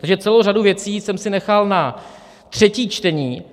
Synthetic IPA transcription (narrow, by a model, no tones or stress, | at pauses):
t̪aɡʒɛt͡sɛlowraduvjɛt͡siːsɛmsɪnɛxalna | t̪r̝̥ɛciːt͡ʃt̪ɛɲiː